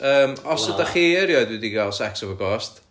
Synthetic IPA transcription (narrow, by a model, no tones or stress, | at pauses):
əːmɔsədaχiɛɾjɔɨdwɪdiɡalˠsɛksɔvəɡɔst